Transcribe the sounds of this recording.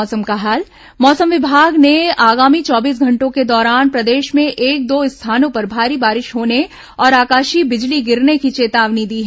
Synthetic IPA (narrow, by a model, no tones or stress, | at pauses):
ɔːsəmkaɦaːl | mɔːsəmʋɪbʱaːɡneaːɡaːmit͡ʃɔːbiːs̬ɡʱɐ̃ɳʈõked̪ɔːɾaːnpɾɐd̪eːʃmẽʔeːk̚d̪oːɪst̪ʰaːnõpɐɾbʱaːɾibaːɾɪʃɦoːne | ɔːɾaːkaːʃibɪd͡ʒliɡɪɾnekit͡ʃeːt̪aːʋnid̪iːɦɛ